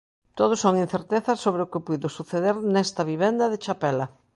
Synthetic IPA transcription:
t̪oð̞ʊsoŋin̟θeɾt̪eθɐsoβɾɪʊkɪpujðʊsuθeðeɾnɛst̪ɐβiβɛnd̪ɐðɪt͡ʃapɛlɐ

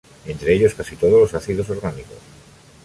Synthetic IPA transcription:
e̞nt̪ɾe̞eʎo̞skasit̪o̞ð̞olo̞saθiðo̞s̬o̞ɾɣaniko̞s

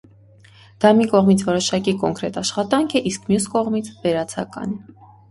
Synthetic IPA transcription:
d̪̥ɑmikɔʁmit͡sʰvɔɾɔʃɑkikɔŋkɾɛt̪ɑʃχɑt̪ɑŋkʰɛʔiskʰmjuskɔʁmit͡sʰvɛɾɑt͡sʰɑ̰kɑ̰nɛ

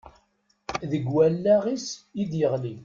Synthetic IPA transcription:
ðəɡwælːæʁisid̪jəʁli

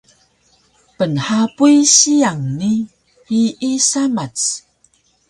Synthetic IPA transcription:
pənħapujɕiaŋni | hiʔisamat͡s

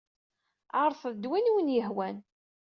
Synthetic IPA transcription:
ʕəɾˤθˤðd̪winwənjəɦwæn

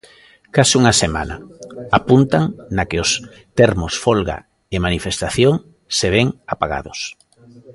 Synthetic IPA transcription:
kasuŋasema̰na̰apunt̪aŋnakɪos | t̪eɾmʊsfolɣa̰ | emanifest̪aθjoŋ | seβ̞eŋapaɣa̰ðʊs

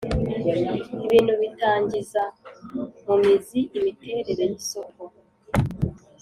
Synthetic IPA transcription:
iβiːnhuβitaːɲɟiza | mumiziimiteːɾeɾejisoko

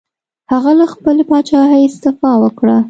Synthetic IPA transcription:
haɣalaxpəlepɑt͡ʃɑhəjɪst̪ɪfɑwəkɽa

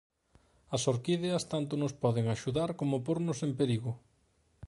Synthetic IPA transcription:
ɐsoɾkiðeɐst̪ant̪ʊnʊspɔðeŋaʃuðaɾkomopoɾnʊsempeɾiɣʊ

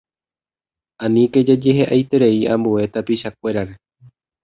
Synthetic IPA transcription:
ãnĩked͡ʒed͡ʒe̞ɦeʔajt̪e̞ɾe̞iãmbue̞t̪apiʃak̚ʷe̞ɾaɾe̞

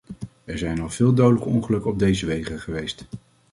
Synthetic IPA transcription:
ɛɹzɛjnɑlv̥ɪːlˠdowdələkəɔŋχəlɵkɔb̚dejzəʋejχəχəʋejst

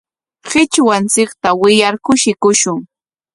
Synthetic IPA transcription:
ɢɪt͡ʃwant͡sɪkt̪awɪjaɾkʊʃɪkʊʃʊŋ

